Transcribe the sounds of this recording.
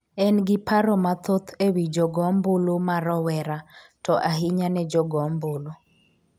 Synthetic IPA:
ɛnɡɪpaɾɔmat̪ot̪ʰewid͡ʒɔɡɔmbolomaɾɔwɛɾatɔʔaɦɪɲanɛd͡ʒɔɡɔmbolo

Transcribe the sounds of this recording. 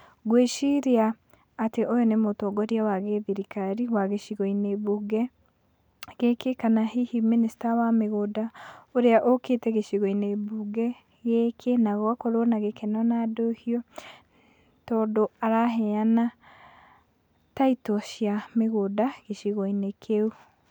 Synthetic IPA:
ɡweʃiɾiaː | teʔojɔnemotɔɡɔɾiawaɣeðiɾikaɾiwaɣeʃiɣɔineβuɡɛ | ɣekekanahihiministawameɣodaoɾeaʔoketɛɣeʃiɣɔineβuɡɛ | ɣekʰenaɣɔakoɾonaɣekenɔnadohiɔ | tɔːdoaɾaɦɛana | taitoʃjameɣodaɣeʃiɣoinekʰeu

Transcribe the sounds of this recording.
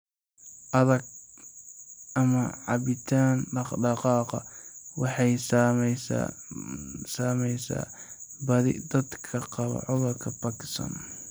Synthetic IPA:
ʔɐðɐɡ̚ | ʔɐmɐʕɑβɪt̪ʰaːnɖɑχɖɑqɑːqɑ̰wɑħɑjsms | saːmɛjsa̰ː | bɐðɪ̰d̪ɐd̪kʰɐqɑβɐ̰ʕʊðʊrkʰɐpɐkɪst̪ɐ̰n

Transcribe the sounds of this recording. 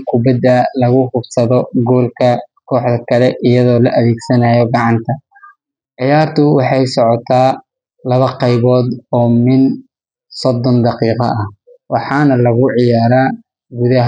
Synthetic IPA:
kʰʊbɐd̪ɐlɐɣʊhʊbsɐðɔɡɔːlkʰɐkʰɔːħðɐkʰɐlɛʔɪjɐðɔːlɐʔɐðɛːɡsɐnajɔɡɑʕɑnt̪ʰɐ | ʕɪjaːrt̪ʰʊwɑħɑjsɔʕɔt̪ʰaː | lɐβɐqɑjβɔːd̪ɔːmɪn | sɔd̪ːɔnd̪ɑqiːqɑ̰ʔɐh | wɑħɑːnɐlɐɣʊʕɪjaːɾaː | ɡuðɐɦ

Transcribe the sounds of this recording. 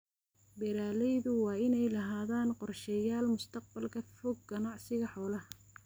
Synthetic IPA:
bɛɾaːlɛjðʊwɑːɪnɛjlɐɦaːðaːnqɔrʃɛjaːlmʊst̪ʰɐq̚bɐlkʰɐfɔɡ̚ɡɐnɑʕsɪɣɐħɔːlɐhɐ

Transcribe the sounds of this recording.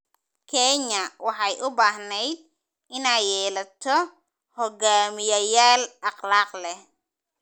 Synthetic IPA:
kʰɛɲɐwɑħɑjʔʊbaːɦnɛjd̪̚ | ɪnaːjɛːlɐt̪ʰɔ | hɔɡaːmɪjɐjaːlɑqlɑːqlɛ

